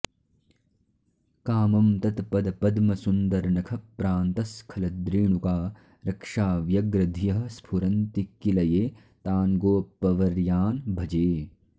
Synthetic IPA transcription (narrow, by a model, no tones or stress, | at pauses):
kaːmɐmt̪ɐt̪pɐd̪pɐd̪mɐsund̪ɐɾnɐkʰɐpɾaːnt̪ɐskʰɐlɐd̪ɾiːɳ̃ukaː | ɾɐkʂaːʋjɐɡɾɐd̪ʱijɐɦspʰuɾɐnt̪ikːilɐjeː | t̪aːnɡoːpːɐʋɐɾjaːnbʱɐd͡ʒeː